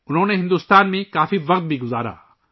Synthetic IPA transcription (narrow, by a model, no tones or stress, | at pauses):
ʊnɦõːnẽɦɪ̃nd̪ust̪aːnmẽkaːfiʋɐqt̪̚bʱiɡʊzaːɾa̰ː